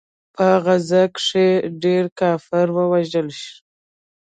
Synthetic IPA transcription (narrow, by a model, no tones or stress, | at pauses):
pəɣazakʂeɖeɾkɑfɪɾwəwaʒəlʃi̥